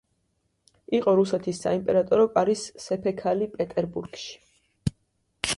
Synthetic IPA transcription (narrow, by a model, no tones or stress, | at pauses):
iqʼɔɾusɛt̪ʰisːa̰impʼɛɾat̪ʼɔɾɔpʼaɾisːɛpʰɛkʰalipʼɛt̪ʼɛɾbuɾɡ̥ʃi̥